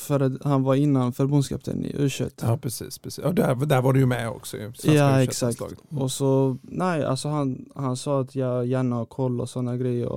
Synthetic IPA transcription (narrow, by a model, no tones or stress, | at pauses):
fœɾahanvaɾɪnːanfœɾbɵnskɑ̰pt̪ə̰nɪ̰ʔʉ̟ːʂɛ̰t̪ːɑpʰɾɛsḭːspʰɾɛsːɔd̪d̪æɾvaɖɛjɵmɛɔ̰ksɔj̰sjɑːɛksakt̪ːɔsɔnɛɪa̰lsɔɦanhansɑːat̪ʰjɑːjæːɳahkʰɔlːɔ̰sɔnːaɡɾɛjːə̰ɾɔ̰